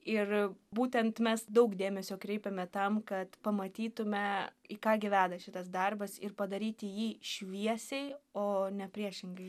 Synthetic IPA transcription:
ɪrbuːt̪ʲɛnt̪mʲɛsd̪ɐʊkd̪ʲeːmʲɛsʲoːkɾʲɛɪpʲɛmʲɛt̪ɐmkɐt̪pɐmɐt̪ʲiːt̪ʊmʲɛikɑːɡʲɪʋʲæːd̪ɐʃʲɪt̪ɐs̬d̪ɐrbɐsɪ̰rpɐd̪ɐɾʲiːt̪ʲɪjiːʃʲʋʲiɛsʲɛɪoːnʲɛpʲɾʲiɛʃʲɪŋɡɐɪ

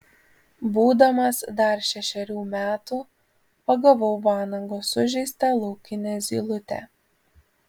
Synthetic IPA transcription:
buːd̪ɐmɐsd̪ɐɾʃʲɛʃʲɛɾʲuːmʲæːt̪uː | pɐɡɐʋɐʊʋɑːnɐŋɡoːsʊʒʲɛɪst̪ɐlˠɔʊkʲɪnʲeːzʲiːlˠʊt̪ʲɛ̰

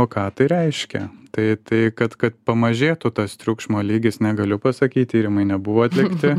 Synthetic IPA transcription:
oːkɑːt̪ɐɪɾʲɛɪʃʲkʲɛ̰t̪ɐɪt̪ɐɪkɐt̪kɐt̪̚pɐmɐʒʲeːt̪ʊt̪ɐst̪ʲɾʲʊkʃmoːlʲiːɡʲɪsnʲɛɡɐlʲʊpɐsɐkʲiːt̚ʲt̪ʲiːɾʲɪmɐɪnʲɛbʊʋoːɐt̪ʲlʲɪkt̪ʲɪ

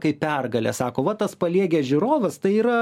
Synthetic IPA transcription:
kɐɪpʲɛrɡɐlʲɛ̰sɑːkoːʋɐt̪ɐspɐlʲiɛɡʲeːʒʲʊɾoːʋɐst̪ɐɪiːɾɐ

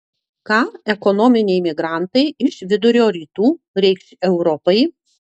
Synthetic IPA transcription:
kɑːɛkɔnɔmʲɪnʲɛɪmʲɪɡɾɑˑnt̪ɐɪɪʃʋʲɪd̪ʊɾʲoːɾʲiːt̪uː | ɾʲɛɪksʲɛʊɾɔpɐɪ

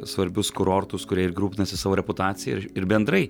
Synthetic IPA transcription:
sʋɐɾʲbʲʊskʊɾoːɾt̪ʊskʊɾʲiɛɪɾɡɾuːpʲɪnɐsʲɪsɑːʋoːɾʲɛpʊt̪ɑːt̪sʲɪjɛɪɪɾbʲɛnd̪ɾɐɪ

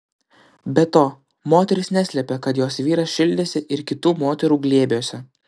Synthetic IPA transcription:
bʲɛt̪oː | moːt̪ʲɛɾʲɪsnʲæsʲlʲɛpʲɛkɐt̪joːsʋʲiːɾɐsʃʲɪlʲd̪ʲeːsʲɪʔɪɾkʲɪt̪uːmoːt̪ʲɛɾuːɡlʲeːbʲjoːsʲɛ

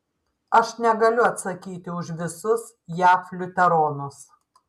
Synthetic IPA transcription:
ɐʃnʲɛɡɐlʲʊɐt̪sɐkʲiːt̪ʲɪʊʃʋʲɪsʊs | jæːflʲʊt̪ʲɛɾoːnʊs

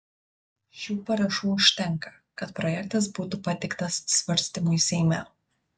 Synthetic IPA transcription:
ʃʲuːpɐɾɐʃuːʊʃʲt̪ʲɛŋˑkɐ̥ | kɐt̪pɾɔjɛkt̪ɐs̬buːt̪upɐt̪ʲɪkt̪ɐssʲʋɐɾʲsʲt̪ʲɪmuisʲɛɪmʲɛ

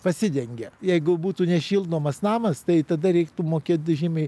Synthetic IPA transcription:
pɐsʲɪd̪ʲɛŋʲɡʲɛjɛɪɡʊbuːt̪uːnʲɛʃʲiːlˠd̪oːmɐsnɑːmɐst̪ɐɪt̪ɐd̪ɐɾʲɛɪkt̪umoːkʲeːt̪̚d̪ʊʒʲiːmʲɛɪ

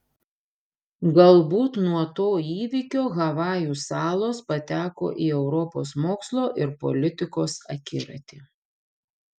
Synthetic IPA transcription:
ɡɐlˠbuːt̪nuɔt̪oːiːʋʲɪkʲoːɣɐʋɑːjuːsɑːlˠoːspɐt̪ʲæːko̰ːʔiːɛʊɾɔpo̰ːsmoːkslˠoːʔɪɾpɔ̰lʲɪt̪ʲɪkoːsɐ̰kʲɪɾɐ̰t̪ʲiː

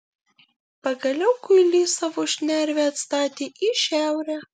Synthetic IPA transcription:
pɐɡɐlʲɛʊkʊɪlʲiːsɑʋoːʃʲnʲæɾʲʋʲɛːɐt̪st̪ɑːt̪ʲeːʔiʃʲæˑʊɾʲæ

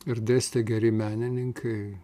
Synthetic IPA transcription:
ɪɾd̪ʲeːsʲt̪ʲɛɡʲɛɾʲɪmʲæːnʲɪnʲɪŋkʰɐɪ

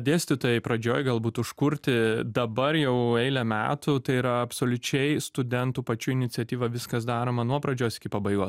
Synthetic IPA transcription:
d̪ʲeːsʲt̪ʲɪt̪oːjɛɪpɾɐd͡ʒʲoːjɡɐlˠbuːt̪ʊʃkʊɾʲt̪ʲɪd̪ɐbɐɾjɛʊɛɪlʲɛmʲæ̰ːt̪ʊt̪ɐɪiɾɐɐpsoːlʲʊt͡ʃʲɛɪst̪ʊd̪ʲɛnt̪uːpɐt͡ʃʲuːɪnʲɪt͡s̪ʲɪɛt̪ʲiːʋɐʋʲɪskɐs̬d̪ɑːɾoːmɐnuɔpɾɐd͡ʒʲoːsɪkʲɪpɐbɐɪɡoːs

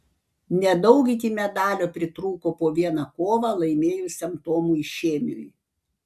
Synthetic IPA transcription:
nʲɛd̪ɐʊɡʲit̪ʲiːmʲɛd̪ɑːlʲoːpʲɾʲɪt̪ɾuːkoːpoːʋʲiɛnɑkoːʋɑlˠɐɪmʲeːjʊsʲɐmt̪oːmuːɪʃʲeːmʲʊ̰j

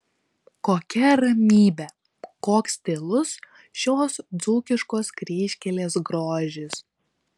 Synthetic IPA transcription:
koːkʲɛɾɐmʲiːbʲɛ | koːksʲt̪ʲelˠʊs | ʃʲoːsd̪zuːkʲɪʃkoːskɾʲiːʃʲkʲɛlʲeːsɡɾoːʒʲɪs

